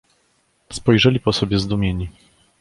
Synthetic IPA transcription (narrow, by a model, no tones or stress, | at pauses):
spɔjʐɛlʲipɔsɔbʲjɛzd̪umʲjeɲi